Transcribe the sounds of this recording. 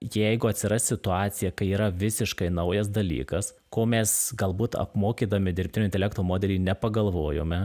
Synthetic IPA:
jɛɪɡʊɐt̪ʲsʲɪɾɐsʲt̪ʲsʲɪt̪ʊɑːt̪sʲɪjɛkɐɪiːɾɐʋʲɪsʲɪʃkɐɪnɐʊjɛs̬d̪ɐlʲḭːkɐs | koːmʲɛsɡɐlˠbuːt̪ɐ̰pmoːkʲiːd̪ɐmʲɪd̪ʲɪrʲpʲt̪ʲɪnʲoːɪnʲt̪ʲɛlʲæːk̚t̪oːmoːd̪ʲɛlʲiːnʲɛpɐɡɐlˠʋoːjo̰ːmʲɛ

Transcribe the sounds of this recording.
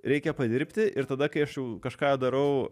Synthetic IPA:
ɾʲɛɪkʲɛpɐd̪ʲɪɾʲpʲt̪ʲɪʔɪrt̪ɐd̪ɐkɐɪɐʃjɛʊkɐʃkɑːd̪ɐɾɐʊ

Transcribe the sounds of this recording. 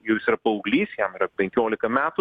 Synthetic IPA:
jɛʊjsiɾɐpɐɐʊɡlʲiːssjɛmɪɾɐpʲɛŋʲkʲoːlʲɪkɐmʲæːt̪ʊ

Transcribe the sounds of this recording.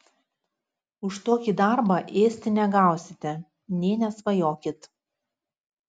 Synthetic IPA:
ʊʃt̪oːkʲiːˑd̪ɑˑɾbɐʔeːsʲt̪ʲɪnʲɛɡɑˑʊsʲɪt̪ʲɛ | nʲeːnʲɛsʋɐjoːkʲɪt̪

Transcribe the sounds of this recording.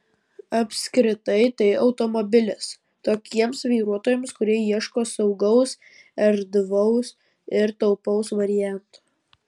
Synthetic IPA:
ɐpʲsʲkɾʲɪt̪ɐɪt̪ɐɪɒʊt̪ɔmɔbʲɪlʲɪs | t̪oːkʲiɛmsʋʲiːɾuɔt̪oːjɛmskʊɾʲiɛjiɛʃkoːsɒʊɡɐʊs | ɛɾd̪ʋɐʊs | ɪɾt̪ɐʊpɐʊsʋɐɾʲɪjæˑnt̪u̥

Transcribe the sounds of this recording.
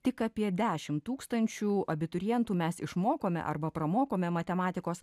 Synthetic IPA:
t̪ʲɪkɑːpʲiɛd̪ʲæːʃʲɪmt̪uːkst̪ɐnʲt͡ʃʲuːɐbʲɪt̪ʊɾʲɪjɛnt̪uːmʲɛsɪʃmoːkoːmʲɛ̰ʔɐ̰ɾbɐpɾɐmoːkoːmʲɛmɐt̪ʲɛmɑːt̪ʲɪkoːs

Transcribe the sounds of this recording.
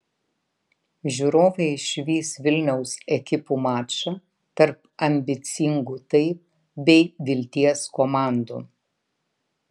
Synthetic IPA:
ʒʲuːɾoːʋɐɪɪʃʲʋʲiːsʋʲɪlʲnʲɛʊsɛkʲɪpuːmɑːt͡ʃɐ | t̪ɐɾp̚ | ɐmʲbʲɪt̪sʲɪŋɡuːt̪ɐɪp̚ | bʲɛɪʋʲɪlʲt̪ʲiɛskomɑˑnd̪ṵː

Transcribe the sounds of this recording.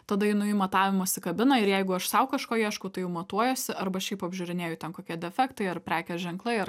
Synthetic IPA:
t̪ɐd̪ɐɪnʊjiːmɐt̪ɑːʋʲɪmɐsʲɪkɐbʲɪnɐɪɾjɛɪɡʊɐʃsɐʊkɐʃkoːjiɛʃkʊt̪ɐɪjɛʊmɐt̪uɔjoːsʲɪʔɐɾbɐɐʃʃʲɛɪpɐbʲʒʲuːɾʲɪnʲeːjʊt̪ʲɛnkoːkʲiɛd̪ʲɛfʲɛkt̪ɐɪɐɾpʲɾʲæːkʲɛʒʲɛŋklˠɐɪɐɾ

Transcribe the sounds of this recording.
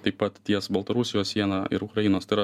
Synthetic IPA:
t̪ɐɪppɐt̪t̪ʲːiɛsbɐlˠt̪ɐɾusʲɪjoːssʲiɛnɑɪ̰ɾʊkɾɐjinoːst̪ɐɪɾɐ

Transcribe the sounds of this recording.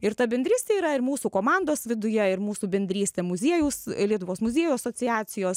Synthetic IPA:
ɪɾt̪ɐbʲɛnʲd̪ɾʲiːsʲt̪ʲeːiːɾɐɪɾmuːsuːkoːmɑˑnd̪oːsʋʲɪd̪ʊjɛɪɾmuːsuːbʲɛnʲd̪ʲɾʲiːsʲt̪ʲeːmʊzʲiɛjuːslʲiɛt̪ʊʋoːsmʊzʲiɛjuɐsoːt͡s̪ʲɪjæːt͡ssʲɪjoːs

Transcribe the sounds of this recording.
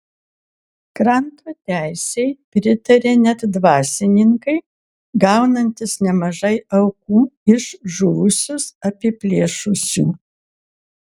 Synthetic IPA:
kɾɐnt̪oːt̪ʲæˑɪsʲɛɪpʲɾʲɪt̪ɐɾʲeːnʲɛt̪d̪ʋɑːsʲɪnʲɪŋkɐɪ | ɡɑʊnɐnʲt̪ʲɪsnʲɛmɐʒɐɪɐʊkuːɪʃʒuːʊsʲʊsɐpʲɪpʲlʲeːʃʊsʲṵː

